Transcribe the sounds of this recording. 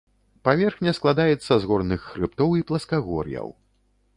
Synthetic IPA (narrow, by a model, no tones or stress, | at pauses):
pavʲɛrxnʲɐsklˠad̪ajɛt̪sːɐzɣɔrnɨxːɾɨp̚t̪ɔwiplˠɐskaɣɔ̰rjɐ̰w